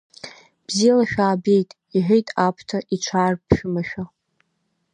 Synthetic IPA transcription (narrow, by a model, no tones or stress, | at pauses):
b̥zijalaʃᶣaːbe̞jtʼ | iħʷᶣejtʼapʰtʰaʔiʈ͡ʂʷʰaːrpʰʃᶣʊmaʃᶣa